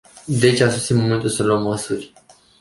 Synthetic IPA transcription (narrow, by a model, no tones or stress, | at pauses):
d̪et͡ʃasusiməmẽnt̪ulsəluəmːəsurʲ